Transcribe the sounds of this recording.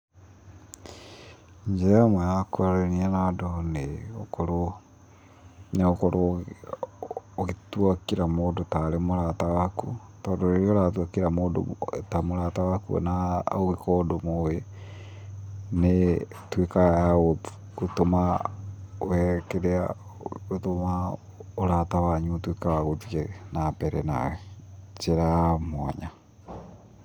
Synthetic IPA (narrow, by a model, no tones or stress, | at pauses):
ɲd͡ʒɛmajakoaɾeniɛnadoneo̰koɾo | neokoɾo | ɣetuakiɾamoːdotaɾemoɾatawakutɔːdoɾeɾeoɾatwakeɾamoːdo̰tamoɾatawakṵnaoɣekɔːdomowe | ne | twekajao | kotoma | wɛkeɾea | ɣotoma | oɾatawaɲutwekawaɣotienapɛɾɛna̰wɛt͡ʃeɾamwaɲa